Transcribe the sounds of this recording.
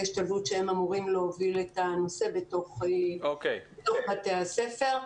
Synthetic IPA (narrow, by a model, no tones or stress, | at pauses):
iʃtavutʃeemamuʁimleoviletano̞se̞beto̞χokejbeto̞χbate̞hase̞fe̞ʁ